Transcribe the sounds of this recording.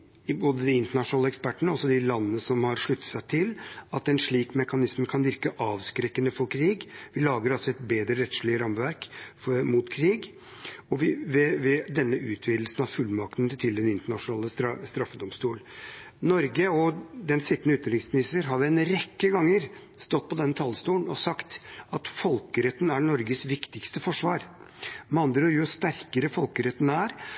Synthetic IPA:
boːd̪əd̪ɪɪnt̪əɳɑʂʊnɑːləɛkspæʈːəɳəɔsɔd̪ɪlɑnːənəsɔmhɑɾʂɭʉt̪ːə̥t̪sæt̪ʰɪlɑt̪ɛnʂɭiːkmɛkɑnɪsmkʰɑnʋɪɾkəʔɑːʋskɾɛkːənəfɔɾkʰɾiːɡʋɪlɑːɡəɾɑlsɔɛt̪beːd̪ɾəɾɛt̪ʂɭɪəɾɑmʋæɾkfɔmʊt̪kʰɾiːɡ | ɔʋɪʋɛʋɛd̪ɛnːəʉːt̪ʰʋiːd̪l̩sn̩ɑʋfʉlːmɑkt̪nt̪ʰɪld̪ɛnɪnt̪əɳɑʂʊnɑːləst̪ɾst̪ɾɑfːəd̪ɔmst̪uːl | nɔɾɡəɔd̪ɛnsɪt̪ːnəʉːt̪ːəɾɪŋsmɪnɪst̪əɾɦɑʋɛnɾɛkːəɡɑŋːəɾ | st̪ɔt̪ːpʰɔd̪ɛnːət̪ʰɑlst̪uːnɔsɑkt̪ɑt̪fɔlkəɾɛt̪ːn̩æɳɔɾɡəsʋɪkt̪ɪkst̪əfɔʂʋɑːɾmɑnd̪ɾɾjʊst̪æɾkəɾəfɔlkəɾɛt̪ːnæːɾ

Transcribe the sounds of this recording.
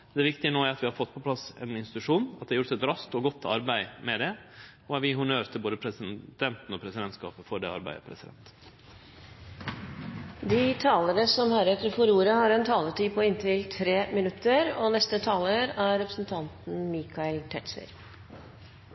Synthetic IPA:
d̪ɛʋɪkt̪ɪənoːæɾɑt̪ʋɪhɑɾfɔt̪ːpʰɔpʰlɑsɛ̰nɪnst̪ɪt̪ʉʂuːnɑt̪̚d̪ɛhɑjʊʈt̪ɛt̪ɾɑst̪ɔɡɔt̪ːɑ̰ɾbæɪmɛd̪ɛ | ɔæɾʋɪɦʊɳøːɾt̪ʰɪlboːd̪əpʰɾɛsɪd̪̥ɛnt̪n̩ɔpʰɾɛsɪd̪ɛnt̪skɑ̰ːpəfɔɖɛ̰ɑ̰ɾbæ̰ɪə̰pʰɾɛsɪd̪ɛ̰nt̪ | d̪ɪt̪ʰɑːlənəsɔmhæːɾɛt̪ːəɾfɔɾuːɾəhɑɾɛnt̪ʰɑːlət̪iːpʰɔɪnt̪ʰɪlt̪ʰɾeːmɪnʉt̪ːəɾɔnɛst̪ət̪ʰɑːləɾæɾɛpɾəsn̩t̪ʰɑnt̪n̩miːkʰɑɪlt̪ʰɛʈ̪slɪ̰ɾ

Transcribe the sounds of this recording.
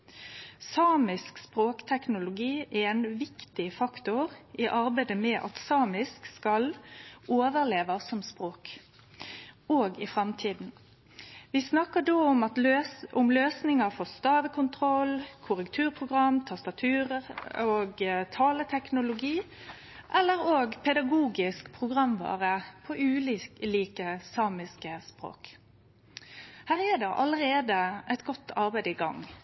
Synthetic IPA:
sɑːmɪskspɾoːkt̪ʰɛknʊlʊɡiːʔæɛnʋɪkt̪ɪfɑkt̪ʊʁɪʔɑɾbæɪd̪əmɛʔɑ̰t̪sɑːmɪskskɑloːʋəʁleːʋɑsɔmspɾoːk | oːɡɪfʁɑmt̪ʰiːd̪n̩ | ʋɪsnɑkəɖoːʊmɑt̪ʔʊmløːsnɪŋəfɔʁst̪ɑːʋəkʰʊnt̪ʰʁɔlkʰʊʁəkt̪ʰʉːʁpʰʁʊɡʁɑmːt̪ʰɑst̪ɑt̪ʰʉːʁəʁoːɡt̪ʰɑːlət̪ʰɛknʊlʊɡiː | ʔɛlːəʁoːɡpʰɛd̪ɑɡuːɡɪskpʰʁʊɡʁɑmʋɑ̰ːʁəpʰɔʔʉːliliːkəsɑːmɪskəspɾo̰ːk | hæːʁɛd̪ɛʔɑləʁeːd̪əʔɛt̪ɡɔt̪ːɑʁbæɪd̪əiɡɑ̰ŋ

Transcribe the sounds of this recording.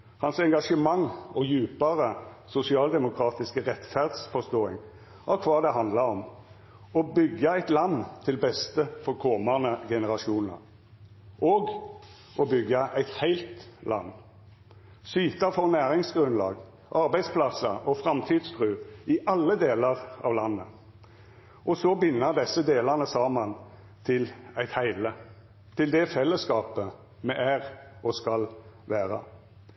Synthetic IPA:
hɑnsɛŋɡɑʂəmɑŋɔjʉːpəʁə | sʊsɪɑːld̪ɛmʊkʰɾɑːt̪ɪskəʁɛt̪fæʁd̪sfɔst̪oːɪŋ | ʔɑkʰʋɑːd̪ɛɦɑnd̪ləɾɔm | ɔbʏɡːəæɪt̪lɑnːt̪ʰɪlbɛst̪əfɔʁkʰɔmənəɡɛnəʁɑʃuːnə̰ʁ | ʔɔːɡ | ɔbʏɡːəʔæɪt̪hæɪlt̪lʔɑ̰nː | syːt̪əfɔʁnæːʁɪŋsɡʁʉnlɑ̰ːɡ | ʔɑʁbæɪd̪spʰlɑsɑʔɔfʁɑmt̪ʰiːd̪sfʁʉːɪʔɑlːəd̪eːləʁɑ̰ːʋlɑnːə | ʔɔsɔbɪnːəʁd̪ɛsəd̪eːləʁnəsɑːmɑn | t̪ʰɪlæɪt̪hæɪlə | t̪ʰɪld̪ɛfɛlːəskɑːpə | mɛʔæʁʔɔskɑlʋæːʁə̰

